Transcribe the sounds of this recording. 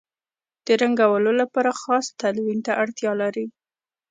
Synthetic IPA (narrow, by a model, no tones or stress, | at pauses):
d̪̥əɾaŋɡawəlolapɑɾaxɑst̪alwint̪aʔaɽt̪jɑlaɾi